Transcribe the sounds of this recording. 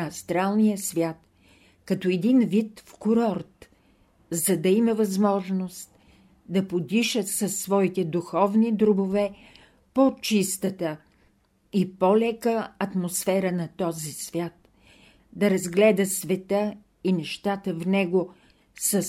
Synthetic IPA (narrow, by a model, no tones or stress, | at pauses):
ɐst̪ɾalˠnijəsvʲjat̪ | kɐt̪ɔɛd̪invit̪fkʊɾɔɾt̪ | zɐd̪ɐimɐvɐzmɔʒnost̪ | d̪ɐpod̪iʃəsɐsːvɔit̪ɛd̪uxɔvnid̪ɾʊbovɛ | pot͡ʃist̪ət̪ə | ipolɛkəɐt̪mosfɛɾənɐt̪ɔzisvʲjat̪ | d̪ɐɾɐzɡlɛd̪əsvɛt̪ə | inɛʃt̪at̪əvnɛɡo | sɐs